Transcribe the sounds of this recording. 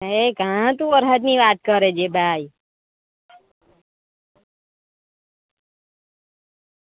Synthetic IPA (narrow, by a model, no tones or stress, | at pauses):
ekãt̪ũʋəɾɦət̪niʋat̪̚kəɾed͡ʒebʱai